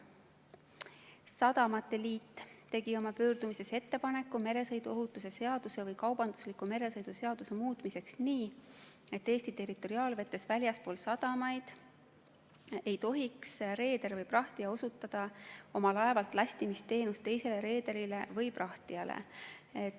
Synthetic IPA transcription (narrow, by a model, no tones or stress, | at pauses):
sɑd̪̥ɑmɑt̪ːe̞liːt̪ːt̪ːe̞ɡ̥io̞mɑpøːrd̪umise̞se̞t̪ːe̞pɑne̞kːume̞ɾe̞sɤjd̪uoɦut̪ːˑuse̞se̞ɑd̪̥use̞vɤjkɑwbɑnd̪̥uslikːˑume̞ɾe̞sɤjd̪̥use̞ɑd̪use̞muːt̪ˑmise̞ksniː | e̞t̪ːe̞ːsʲt̪it̪e̞rit̪ːˑo̞ɾiɑːlve̞t̪ːˑe̞svælʲjɑspo̞ːlsɑd̪ɑmɑjd̪̥ | e̞jt̪o̞ɦiksre̞ːd̪e̞ɾvɤjprɑht̪iɑo̞sut̪ːˑɑd̪̥ɑo̞mɑlɑe̞vɑlt̪ˑlɑsʲt̪imist̪e̞ːnust̪t̪ːe̞jse̞le̞ɾe̞ːd̪eɾile̞vɤjprɑht̪iɑlḛe